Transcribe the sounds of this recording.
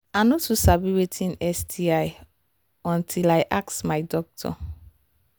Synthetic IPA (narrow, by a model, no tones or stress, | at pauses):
anotʰusabiwetʰĩnɛsdiaj | ɔ̃ntʰilajʔak̚smajdɔk̚tʰɔ̰